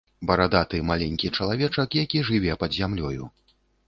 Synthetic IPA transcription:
bɐɾad̪at̪ɨmalʲɛnʲkʲit͡ʂɐlˠavʲɛt͡ʂɐkjakʲiʐɨvʲɛpɐd̪zʲamlʲɔjṵ

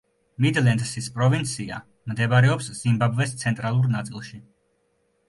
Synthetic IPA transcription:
mid̪lɛnd̪sispʼɾɔvint̪sʰia̰ | md̪ɛbaɾɛɔpsz̥imbabvɛst̪sʰɛnt̪ʼɾalˠuɾnat̪sʼilˠʃi

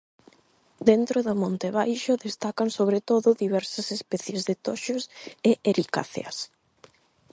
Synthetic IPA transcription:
d̪ent̪ɾoðʊmõnt̪eβajʃʊðest̪akansoβ̞ɾet̪oðʊðiβɛɾsɐsespɛθjezðet̪ɔʃʊsɪʔeɾika̰θḛɐ̰s

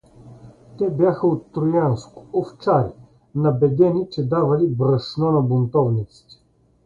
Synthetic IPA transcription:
t̪ɛbjaxəot̪ːɾʊjanskʊ̥oft͡ʃaɾʲɛ | nɐbɛd̪ɛnit͡ʃɛd̪avɐlibɾɐʃnɔnɐbʊnt̪ɔvnit̪si̥t̪ɛ̥

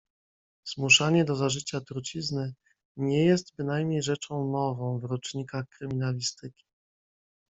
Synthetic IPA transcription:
z̥muʂaɲɛd̪ɔzaʐɘt͡ɕat̪uɾt͡ɕiznɘ | ɲɛjɛst̪bɘnajmɲejʐɛt͡ʂɔ̃w̃nɔvɔ̃w̃vɾɔt͡ʂɲikaxkɾɘmʲinalʲist̪ɘkʲi̥

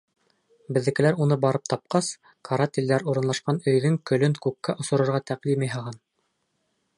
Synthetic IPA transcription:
bɘ̆ðːɘ̆kɘ̆læɾunɤbɑɾɤp̚t̪ɑp̚qɑs | kʰɐɾat̪ʲild̪æɾuɾɤ̆nlˠɑʃqɑnɵ̆jðɵŋkɵ̆lɵŋkʉkːæʔŏsŏɾɤ̆ɾʁɑt̪æqlimijɦɑʁɑn

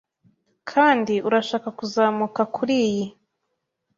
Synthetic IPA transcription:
kʰaːndiʔuɾaʃaːkakuzaːmukakʰuɾiji

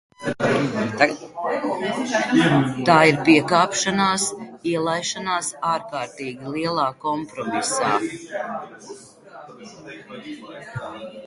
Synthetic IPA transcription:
t̪aːiɾpiɛkaːpʃanaːsiɛlˠajʃanaːsaːɾkaːɾt̪iːɡʲilˠiɛlˠaːkɔmpɾɔmisaː

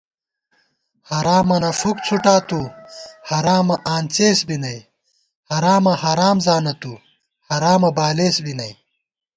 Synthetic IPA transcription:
hɐɾaːmɐnɐfuk̚t͡sʰuʈaːt̪uhɐɾaːmɐʔaːnt͡seːsbinɐj | hɐɾaːmɐhɐɾaːmzaːnɐt̪u | hɐɾaːmɐbaːleːsbinɐj

